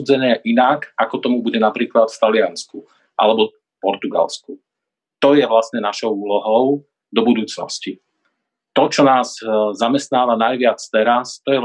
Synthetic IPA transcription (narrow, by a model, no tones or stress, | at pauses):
d͡zɛɲɛʔinakakɔt̪ɔmubuɟɛnapɾiːklat̪ft̪alɪansku | ʔa̰lɛbɔ | pɔɾt̪uɡa̰lsku | t̪ɔjɛʋlasɲɛnaʃɔʊuːlɔɦɔʊ | d̪ɔbud̪uːt͡snɔ̰sci | t̪ɔt͡ʃɔnaːzzamɛst̪naːʋanajʋɪat͡st̪ɛɾast̪ɔjɛ